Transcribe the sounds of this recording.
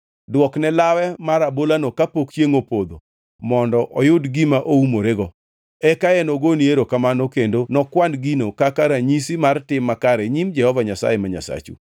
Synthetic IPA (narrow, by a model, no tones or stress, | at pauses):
dwɔknɛlawɛmaɾabolanokapokt͡ʃeŋopod̪o̰ | mɔndɔʔɔjʊdɡimaʔoumoɾeɡɔ | ɛkaɛnoɡonieɾokamanokendonɔkwandɡinokakaɾaɲisimartɪmːakaɾɛɲimd͡ʒɛhɔvaɲasa̰jemaɲa̰sa̰t͡ʃṵ